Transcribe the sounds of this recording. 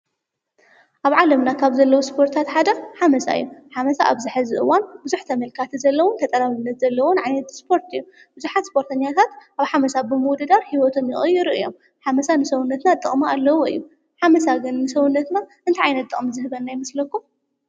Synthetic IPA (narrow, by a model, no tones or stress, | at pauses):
ʔaβʕalɐmnakʰaβzɐlːɐwuspʰo̞ɾt̪ʰat̪ħad̪ɐħamɐsa̰ɨjːuħamɐsaʔaβzɨħɨzɨʔɨwanbɨzuħt̪ʰɐmɐlkʰat̪ʰizɐlːɐwʊnt̪ʰɐt̪ʼɐlaβɨnːɐt̪z̥ɐlːɐwʊnʕajnɐt̪spʰo̞ɾt̪ɨjːu | b̥ɨzuħat̪spʰo̞ɾt̪ʰɐɲːat̪ʰat̪ʔaβħamɐsabɨmɨwd̪ɐd̪aɾhiwɔt̪ʰo̞mjɪχʼɨjɪɾɨʔɨjo̞̰m | ħamɐsanɨsɐwunːɐt̪nat̪ʼːɨχʼmualːɐwoɨ̰jːu | ħamɐsaɡɨnːɨsɐwʊnːɐt̪na | ɨnt̪ʰiʕajnɐt̪ʼːɨχʼmzɨhɨβɐnːajɪmɐslɐkːu